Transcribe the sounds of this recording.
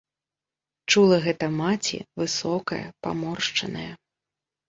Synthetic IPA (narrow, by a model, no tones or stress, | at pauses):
t͡ʂulˠɐɣɛt̪ɐmat͡sʲḭvɨsɔkɐjɐ̰pa̰mɔrʂt͡ʂɐnɐjɐ